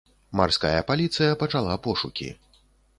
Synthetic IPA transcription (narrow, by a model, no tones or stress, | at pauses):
ma̰rska̰jɐ̰palʲit̪sɨjɐpɐt͡ʂalˠapɔʂukʲḭ